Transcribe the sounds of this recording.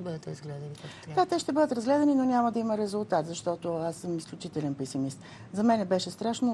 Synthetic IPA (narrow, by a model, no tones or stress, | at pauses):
bəd̪ət̪ɾɐzɡlɛd̪ɐnid̪̥at̪ɛʃt̪ɛbɤd̪ət̪ɾɐzɡlɛd̪ɐninonʲamɐd̪ɐiməɾɛzulˠt̪at̪zɐʃt̪ɔt̪oasːəmisklʲut͡ʃit̪ɛlɛnpɛsimist̪ | zɐmɛnɛbɛʃɛst̪ɾaʃno